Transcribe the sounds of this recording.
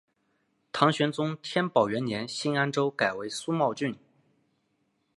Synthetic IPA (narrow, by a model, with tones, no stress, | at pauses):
t̪ʰɑ˧˥ŋɕɥɛ˧˥nt͡sʊ˥ŋt̪ʰjɛ˥npɑ˨˩ʊɥɛ˧˥njɛ˧˥nɕi˥na˥nʈ͡ʂo˥ʊka˨˩ɪwe˧˥ɪsu˥mɑ˥˧ʊt͡ɕy˥˩n